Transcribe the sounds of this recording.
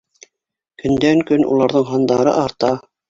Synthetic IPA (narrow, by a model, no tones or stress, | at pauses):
kɵ̆nd̪æŋkɵnṵlˠɑɾðɤɴɦɑnd̪ɑɾɤ̰ʔɑɾt̪ɑ